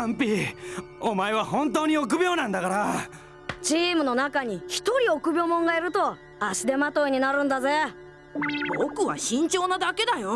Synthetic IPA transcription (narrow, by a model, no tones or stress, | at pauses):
ãmpʲi | omaeβahõ̞nt̪o̞ːɲ̟io̞k̬ɯ̟bʲjo̞ːnãnd̪akaɾa | t͡ɕiːmɯ̟no̞nakaɲ̟içi̥t̪o̞ɾʲio̞kɯ̟bʲo̞ːmõ̞ŋɡaiɾɯ̟t̪o̞ | aɕid̪e̞mat̪o̞iɲ̟inaɾɯ̟̃nd̪aze̞ | bokɯ̟βa̰ɕĩɲ̟t͡ɕo̞ːnad̪ake̞d̪ajo